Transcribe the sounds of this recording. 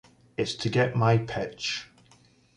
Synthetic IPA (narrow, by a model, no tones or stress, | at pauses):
ɪtstʰəɡɛʔmaɪpʰɪt͡ʃ